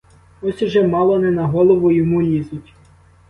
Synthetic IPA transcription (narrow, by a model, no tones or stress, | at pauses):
ɔsʲʒɛmɑlˠɔnɛnɐɦɔlˠɔʋʊjɔmulʲizʊtʲ